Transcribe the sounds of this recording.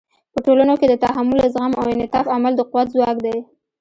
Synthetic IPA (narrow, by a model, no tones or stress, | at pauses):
pəʈolanoked̪ət̪aɦamʊlazɣama̰wɪnɪt̪ɑfamald̪əqʊwat̪zwɑkd̪aj